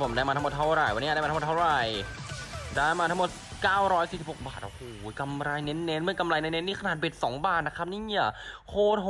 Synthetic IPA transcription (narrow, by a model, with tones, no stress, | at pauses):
pʰo˩˦mdaː˧˩jma˧a˦m˨˩t̪ʰa˦˥wɾa˨˩jwa˧nː˦˥˨aː˧˩mː˧tʰm˨˩t̪ʰwɾa˨˩j | daː˧˩jmaː˧t̪ʰa˦˥mo˨˩t̪̚kaː˥˩wɾɔː˦˥jsiː˨˩si˨˩p̚ho˨˩k̚baː˨˩t̪̚ʔo˧˩hoː˩˦ka˧mɾa˧jne˦˥nːe˦˥nmɯ˥˩əka˧mɾa˧jne˦˥nːe˦˥nːiː˥˩kʰa˧naː˨˩t̪̚be˨˩t̪̚sɔː˩˦ŋbaː˥˩n̚na˦˥kʰa˦˥p̚niː˥˩i˧˩kʰoː˧˩t̪̚h